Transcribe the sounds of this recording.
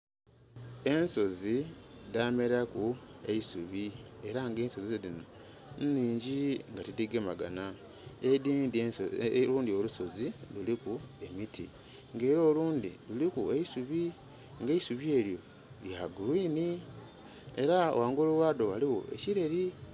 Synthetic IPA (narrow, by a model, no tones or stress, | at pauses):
e̞nso̞zidame̞ɾakue̞̰isuβie̞ɾaŋɡe̞ːnso̞ziɾino | nniːɲɟiŋɡatidiɡemaɡana | ediːndluːndioluso̞zilulikue̞mitʰḭ | ŋɡe̞ːɾo̞ːluːndilulikueisuβi | ŋɡeisuβie̞ːɾjo̞ | ljaɡuɾwiːni | e̞ɾao̰waːŋɡo̞ːluwaːdo̞waliwo̞̰e̞̰ciɾe̞ɾi